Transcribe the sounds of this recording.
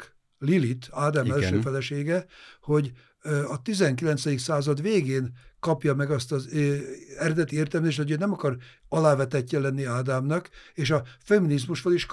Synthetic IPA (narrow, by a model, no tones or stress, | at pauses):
lilit̪aːd̪aːmɛlʃøːfɛlɛʃeːɡɛho̞ɟ | ɒt̪izɛŋkilɛnt̪sɛd̪iksaːzɒd̪ʋeːɡeːnkɒpjɒmɛɡɒst̪ɒz | ɛɾɛd̪ɛt̪ieːrt̪ɛlmɛzeːʃt̪hoøːnɛmɒkɒrɒlaːvɛt̪ɛcːɛlɛnːiaːd̪aːmnɒkeːʃɒfɛminizmuʃboliʃk